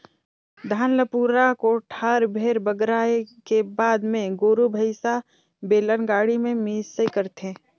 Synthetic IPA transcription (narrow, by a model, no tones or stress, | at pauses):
d̪ʱaːnləpuːɾakoʈʰaːɾbʱeːɾbəɡɾaːekebaːd̪mẽɡoːɾubʱəɪsa | beːlənɡaːɽimẽmiːsəjkəɾt̪ẽ